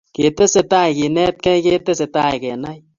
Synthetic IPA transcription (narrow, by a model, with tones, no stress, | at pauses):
ke˨te˦se˧ta˦jki˨nɛ˦t̚kɛ˦jke˦te˦se˨˧ta˦jkɛ˨na˦j